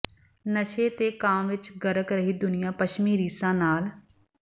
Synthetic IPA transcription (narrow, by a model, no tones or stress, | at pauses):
nəʃeːt̪eːkaːmʋɪt͡ʃɡəɾəkɾəɦiːd̪ʊnɪjãːpəʃmiːɾiːsãːnaːl